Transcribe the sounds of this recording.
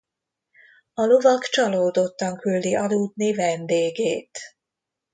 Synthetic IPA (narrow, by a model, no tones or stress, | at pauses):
ɒlovɒkt͡ʃɒloːd̪o̞t̪ːɒŋkyld̪iʔɒd̪uːd̪nivɛnd̪eːɡeːt̪